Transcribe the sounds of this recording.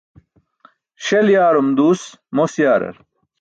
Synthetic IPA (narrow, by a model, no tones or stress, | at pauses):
ɕeljaːɾumd̪uːsmosjaːɾɐ̰ɾ